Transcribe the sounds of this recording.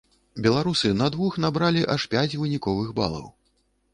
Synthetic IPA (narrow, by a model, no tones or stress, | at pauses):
bʲɛlˠaɾusɨnɐd̪vuxnabɾalʲiʔaʂpʲat͡sʲvɨnʲikɔvɨxba̰lˠɐ̰w